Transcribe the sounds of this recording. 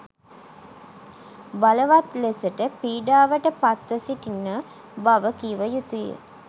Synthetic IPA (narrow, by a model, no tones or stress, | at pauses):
baləʋat̪lesəʈəpiːɖaːʋəʈəpat̪ʋəsiʈinːə | baʋəkiʋəjut̪ujə̰